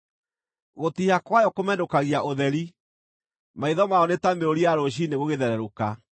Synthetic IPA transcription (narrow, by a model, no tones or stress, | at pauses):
ɣotihakwajɔkomɛdokaɣiaʔoðɛɾi | maiðɔmaɔnetameɾoɾiaɾoɕ̬ineɣoɣeðɛɾɛɾoka